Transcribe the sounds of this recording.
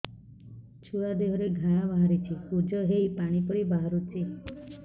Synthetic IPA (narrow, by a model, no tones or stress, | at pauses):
t͡ʃʰuɭad̪eɦɾeɡʱaɽ̃abaɦaɾit͡ʃʰipud͡ʒɔɦeipaɽ̃ipɔɾibaɦaɾut͡ʃʰi